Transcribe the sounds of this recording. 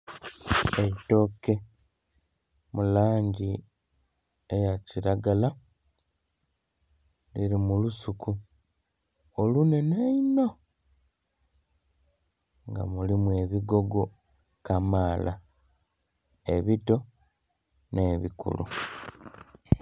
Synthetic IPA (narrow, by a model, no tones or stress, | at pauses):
eito̞ke̞ | mulaːɲɟi | ejaciɾaɡala | liɾimulusuku | olune̞naino̞ | ŋɡa̰mulimue̞βiɡo̞ɡo̞ | kamaːla | eβito̞ | ne̞ːβikṵlṵ